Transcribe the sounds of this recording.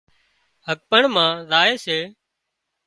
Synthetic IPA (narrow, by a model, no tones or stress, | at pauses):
ɦək̚pəɳmãːɾaːeːseː